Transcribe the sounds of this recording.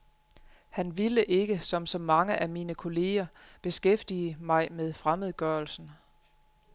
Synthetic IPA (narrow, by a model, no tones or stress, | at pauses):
hænʋiləʔe̝ɡ̥əsɒ̽msɒ̽mːɑ̈ŋəʔæmiːnəkʰo̝le̝ːɐb̥e̝sɡ̥efd̥iːəmɑ̈ɪmeð̞ˠfʁaməð̞̩ˠɡ̥ɶɐlsn̩